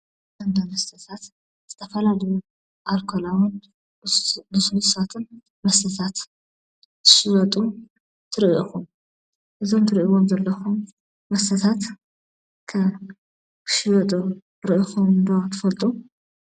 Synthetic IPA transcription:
ɐnd̪amɐst̪ʰɐt̪ʰat̪ | z̥ɨt̪ʰɐfɐlalɐju | ʔalkʰolawʊn | ɨsulusat̪ʰɨn | mɐsɐt̪ʰat̪ | tʰɨ̥ʃɪwɐt̪ʼu | t̪ʰɨɾiʔixum | ʔɨzo̞mt̪ʰɨɾiʔiwomzɐlːɐxum | mɐst̪ɐt̪ʰat̪ | kʰɐ | kɨ̥ʃɪwɐt̪ʼu | ɾɨʔixumd̪ot̪ʰɨ̥fɐlt̪ʼu

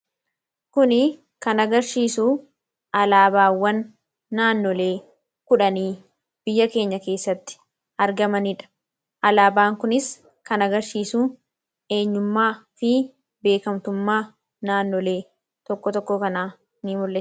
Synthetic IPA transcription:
kʊnɪ | kɐnɐɡɐɾʃiːsuː | ʔɐlaːbaːwːɐnː | aːnːɔle̞ː | kʊᶑɐniː | b̥ɪjːɐke̞ːɲːɐke̞ːsːɐt̪ːɪ̥ | ɐɾɡɐmɐniᶑɐ̥ | ʔɐlaːbaːŋkʊnɪs | kɐnɐɡɐɾʃiːsuː | e̞ːɲːʊmːaːfɪ | be̞ːkɐmt̪ʊmːaː | naːnːɔle̞ː | t̪ɔkːɔt̪ɔkːokɐnaː | nimʊlːe

